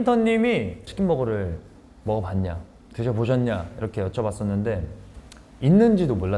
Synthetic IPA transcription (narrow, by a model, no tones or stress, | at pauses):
intʰʌnːimit͡ɕʰi̥kʰimbʌɡʌɾɯɭ | mʌɡʌpanɲa | teɕʰepoɕ̬ʰʌnɲaiɾʌkʰe̞jʌt͡ɕʰʌbas͈ʌnːɯnde̞ | inːɯnd͡ʑidomoɭːa